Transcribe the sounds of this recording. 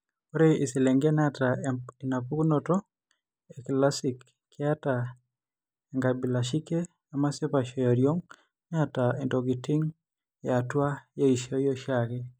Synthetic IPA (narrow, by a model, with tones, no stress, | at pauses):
o˦ɾe˦i˨sɪ˨lɛ˨ŋɡe˦na˦ta˨i˨na˨pu˦kno˨tɔ˦ | e˨kla˦si˨kʰː | ɪ˦a˦ta | ɛ˨ŋɡa˨bi˨la˨ʃi˦ke˦ | a˨ma˦sɪ˦pa˨ʃɔ˨ja˨ɾjo˦ŋ | ɲa˦ta˨e˨ndo˨ɡi˨tɪ˦ŋ | ja˨twa˦ja˦i˨ʃa˦jo˦ʃake˦